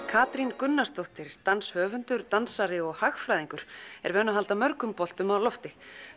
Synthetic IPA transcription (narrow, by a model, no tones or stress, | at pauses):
kʰaːt̪ɾinkʏnːast̪owht̪ɪɾ̥t̪anshœːvʏnt̪ʏɾ̥t̪ansaɾɪɔɣhaxfɾajðĩŋkʏɾ̥ɛ̰ɾvɛːnaɦalt̪amœɾkʏmpɔl̥t̪ʏmawlɔft̪ɪ